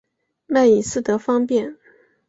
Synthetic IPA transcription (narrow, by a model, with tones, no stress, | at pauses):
ma˥˩i˨˩sɹ̩˥˩t̪ɤ˧˥fɑ˥ŋpjɛ˥˩n